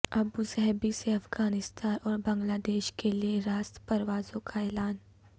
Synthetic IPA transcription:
ɐbusɐɦbiseɐfɡaːnɪst̪aːnʔɔːɾbɐ̃ŋɡlaːd̪eːʃkelieɾaːst̪pɐɾʋaːzõkʰaɛːlaːn

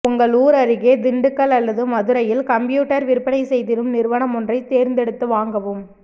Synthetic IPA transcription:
ʊŋɡɐɭuːɾɐɾɯɣeːd̪ɪɳɖɯkːɐɭɐlːɐðɯmɐðɯɾɐjɪlkɐmpjuːʈːɐɾʋɪɾɯpːɐɽɐɪsɛjðɪɾɯmnɪɾɯʋɐɳɐmɔndrɐɪt̪ːeːɾnd̪ɛɽɯt̪ːɯʋaːŋɡɐʋɯm

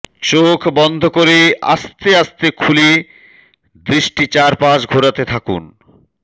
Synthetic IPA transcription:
t͡ɕokʰbɔnd̪ʱokoɾea̰st̪east̪ekʰuli | d̪ɾiʃʈit͡ɕaɾpaʃɡʱoɾat̪et̪ʰakṵn

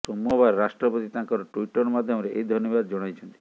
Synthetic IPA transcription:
pɾomoβaeɾɾaʃʈɾɔpot̪it̪ãkɔɾoʈujʈɔɾmad̪ʱɔmɾeʔejd̪ʱɔɾnɔβad̪d͡ʒɔɽ̃ajt͡ʃʰent̪i

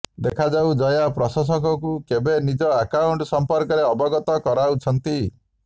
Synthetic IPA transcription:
d̪ekʰad͡ʒawd͡ʒɔjapɾɔsɔs̬ɔkɔkukebenid͡ʒɔakauɳʈsɔmpɔɾkɔɾeɔbɔɡɔt̪ɔkɔɾaut͡ʃʰɔnt̪i

